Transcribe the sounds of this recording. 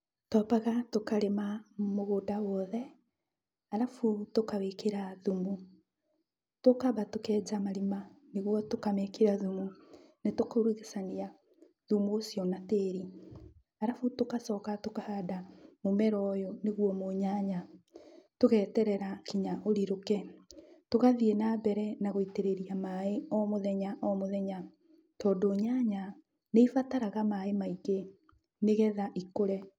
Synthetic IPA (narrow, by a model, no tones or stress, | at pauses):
tɔpaɣatokaɾemamoɣoːdawɔðɛ | aɾafutokawekeɾaðumu | tokaβatokɛːd͡ʑamaɾimaneɣwɔtokamɛkeɾaðumunetokaɾwiɣesania | ðumuːsjɔnateːɾi | aɾafutokasɔkatokahadamomɛɾɔːjoneɣwɔmoɲaɲa | toɣɛːtɛɾɛɾakiɲaʔoɾiɾokɛtoɣaðienabɛɾɛnaɣoiteɾeɾiamaeɔmoðɛɲaʔɔmoðɛɲa | tɔːdoɲaɲa | neifataɾaɣamaemaiɡe | neɣɛðaʔikoɾɛ